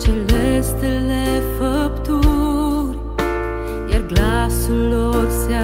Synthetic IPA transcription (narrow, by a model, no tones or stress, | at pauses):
t͡ʃelest̪elefəpt̪uɾ | jaɾɡlasuloɾsja